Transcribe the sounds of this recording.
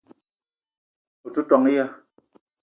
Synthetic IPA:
u˨tu˦tɔ˨ŋi˦ja˦

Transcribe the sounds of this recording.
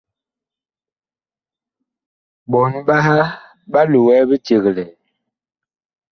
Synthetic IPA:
bɔ˨n˦ɓa˦ha˦ | ɓa˦lu˨wɛ˦bə˦t͡ʃe˨ɣlɛ˨

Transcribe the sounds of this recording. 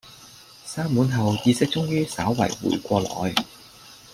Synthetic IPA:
saː˥muː˨˥nɦɐ˨wjiː˧sɪ˥k̚t͡sʊ˥ŋjyː˥saː˨˥wːɐ̰˨˩jwṵː˨˩jkʷɔː˧lɔ̰ː˨˧j

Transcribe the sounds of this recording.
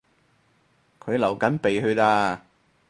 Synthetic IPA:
kʰɵ˨˧ɥlɐ˨˩wkɐ˨˥npe˨jhɵ˧t̪aː˧

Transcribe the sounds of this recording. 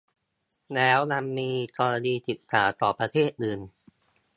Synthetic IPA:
lɛː˦˥wna˧mːiː˧kɔː˧la˧niː˧t̪i˨˩t̪ʰːaː˩˦t̪ɔː˨˩pɾa˧t̪ʰeː˥˩t̪̚ʔɯː˧˩n

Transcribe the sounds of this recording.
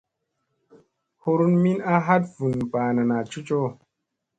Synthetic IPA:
ho˦ɾu˦nmi˦na˦ɦa˦t̚v̥u˨npaː˨na˨na˨t͡ʃu˦t͡ʃo˦

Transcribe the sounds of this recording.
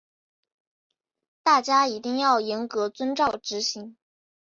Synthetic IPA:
t̪a˥˩t͡ɕja˥i˧˥t̪i˥˧ŋjɑ˥˩ʊjɛ˧˥nkɤ˧˥t͡swə˥nʈ͡ʂɑ˥˩ʊʈ͡ʂɻ̩˧˥ɕi˧˥ŋ

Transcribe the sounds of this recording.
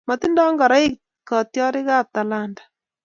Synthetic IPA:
mɔ˨t̪i˦ndɔ˦ŋɡɔ˨ɾa˦ɪ˦ | kɔ˨tjɔ˦ɾɪ˦ka˦t̪a˨la˦ndḁ˨

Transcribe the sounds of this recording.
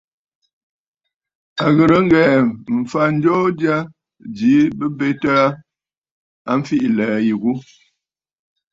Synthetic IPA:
a˨ɣə˨ɾə˨˦ŋ˦ɡɛ˨m̩˨fa˨n̩˦d͡ʒɔ˦dja˦ | d͡ʒi˨˦bə˦be˦ta˦ | a˦m̩˦fi˦ʔlɛː˨ji˨ɣu˦

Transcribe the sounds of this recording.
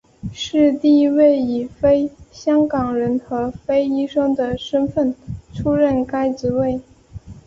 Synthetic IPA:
ʂɻ̩˥˧t̪i˥˧i˥we˥˩ɪi˨˩fe˥ɪɕjɑ˥ŋkɑ˨˩ŋɻə˧˥nxɤ˧˥fe˥ɪi˥ʂɤ˥ŋd̪ə˨ʂə˥nfə˥˩nʈ͡ʂʰu˥ɻə˥˩nka˥ɪʈ͡ʂɻ̩˧˥we˥˩ɪ

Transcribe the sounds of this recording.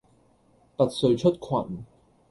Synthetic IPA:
pɐ˨t̚sɵ˧ɥt͡ʃʰɵ˥t̚kʰwa̰ː˨˧˩m̩˨˩

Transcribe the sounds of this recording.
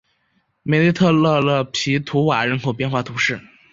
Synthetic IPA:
me˨˩li˥˧t̪ʰɤ˥˧lɤ˥˧lə˥˩pʰi˧˥t̪ʰu˧˥wa̰˨˩ɻə˧˥nkʰo˨˩ʊpjnxwa˥˩t̪ʰu˧˥ʂɻ̩˥˩

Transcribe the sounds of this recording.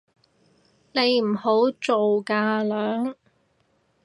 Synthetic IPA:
ne˨˧jm̩˨˩ho˨˥wt͡so˨wkaː˧lœː˨˥ŋ

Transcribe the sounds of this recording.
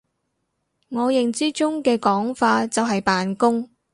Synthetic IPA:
ŋɔː˨˧jɪ˨˩ŋt͡siː˥t͡ʃʊ˥ŋkɛː˧kɔː˨˥ŋfaː˧t͡sɐ˨wɦɐ˨jpaː˨nkʊ˥ŋ

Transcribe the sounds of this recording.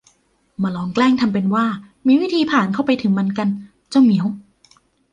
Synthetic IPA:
maː˧lɔː˧ŋklɛː˥˩ŋt̪ʰa˧mp̬e˧nwaː˥˩ | miː˧wiː˦˥˩t̪ʰiː˧pʰaː˨˩nkʰa˥˩wpa˧jt̪ʰɯ˩˦ŋma˧nka˧n | t͡ɕa˥˩wmi˩˦ə˦w

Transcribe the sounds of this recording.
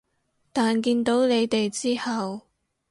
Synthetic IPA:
t̪aː˨nkiː˧nt̪o˨˥wnle˨˧jt̪e˨jt͡siː˥hɐ˨w

